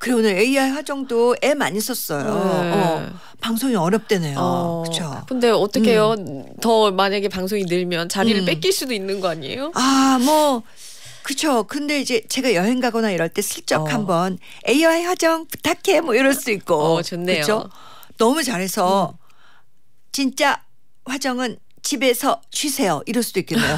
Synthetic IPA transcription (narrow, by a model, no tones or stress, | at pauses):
kɯɾeonɯɾeiajɸwad͡ʑʌŋdoe̞maɲis͈ʌs͈ʌjoː | paŋsʰoŋiʌɾjʌp̚t͈we̞nejokɯt͡ɕʰokɯnde̞ʌt͈ʌkʰe̞jotʌmaɲaɡe̞paŋsʰoŋinɯɭmjʌnt͡ɕaɾiɾɯɭp͈eiɭs͈udoinːɯnɡʌaɲiḛjoamwʌ | kɯt͡ɕʰokɯnde̞id͡ʑe̞t͡ɕe̞ɡajʌɦe̞ŋɡaɡʌnaiɾʌɭt͈e̞sʰɯɭt͡ɕ͈ʌkhambʌn | e̞iaiɸwad͡ʑʌŋpu̥tʰakʰe̞mʌiɾʌɭs͈uik̚k͈ot͡ɕʌnːeɯt͡ɕʰo | nʌmut͡ɕaɾɦe̞sʰʌ | t͡ɕint͡ɕ͈a | ɸwad͡ʑʌŋɯn | t͡ɕibe̞sʰʌt͡ɕɥisʰe̞jʌʔiɾʌɭs͈ud̥oik͈enːejo